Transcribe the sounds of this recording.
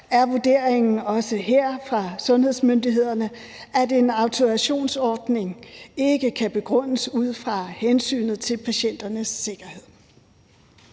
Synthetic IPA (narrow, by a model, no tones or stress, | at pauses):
æɐʋuɐd̥e̝ɐ̰eŋn̩ɒ̽səɦeɐ̰fʁɑ̈sɔ̽nhe̝ð̞̰ˠsmønd̥iɦe̝ð̰ˠɐnə | ʔæde̝nɑ̈ʊt͡sʰo̝æɕo̝̰ːnsɒːd̥ne̝ŋe̝ɡ̥əkʰæb̥e̝ɡ̥ʁɔ̽n̰əsuð̞̰ˠfʁɑ̈hensy̰ːnð̞̩ˠt͡sʰe̝lpʰæɕen̰d̥ɐnəsːe̝ɡ̥ɐhe̝ð̰ˠ